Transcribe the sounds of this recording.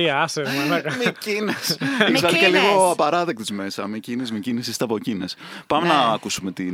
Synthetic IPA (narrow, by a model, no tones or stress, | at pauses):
iɐsemicinesisɐliceliɣoɐpɐɾɐðek̚t̪izmesɐmicinezmicinesist̪ɐpo̞cines | pɐmenɐːkusume̞t̪i